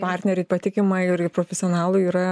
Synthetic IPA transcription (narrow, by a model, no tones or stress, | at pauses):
pɑːɾʲt̪ʲnʲɛɾʲɛɪpɐt̪ʲɪkʲɪmɐɪɾɪpɾoːfʲɛsɪonɑːlˠʊiːɾɐ